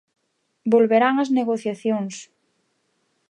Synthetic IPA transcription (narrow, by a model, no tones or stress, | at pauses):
bolβeɾaŋɐzneɣoθjaθjoŋs